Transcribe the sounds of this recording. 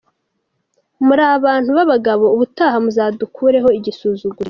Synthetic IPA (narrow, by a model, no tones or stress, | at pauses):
muɾaːβaːn̥huβaβaɡaβo̞uβutaːɦamuzaːdukʰuːɾe̞ɦo̞iɟisuːzuɡuɾe